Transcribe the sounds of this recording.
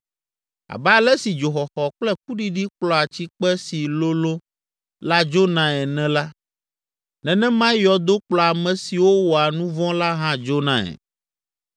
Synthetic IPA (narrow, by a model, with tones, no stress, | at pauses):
a̰˨ba˨lɛ˦si˨d͡ʒo˨xɔ˨xɔ˨k͡plɛ˦k̚u˦ɖi˦ɖi˦k͡plɔ˨a˨t͡ɕi˦k͡pɛ˦si˨lo˦lo˦ | la˦d͡ʒo˦nã˨ɛ˨nɛ̃˨la˦ | nɛ̃˨nɛ̃˦mã˦jɔ˨d̪o˦k͡plɔ˨a˨mɛ̃˨si˨wo˦wo˨a˨nũ˦vɔ̃˦la˦ɦã˦d͡ʒo˦nã̰˨ɛ̰˨